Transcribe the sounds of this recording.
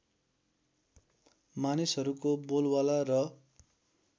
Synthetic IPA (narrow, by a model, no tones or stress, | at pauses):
manisɦʌɾukobolwalarʌ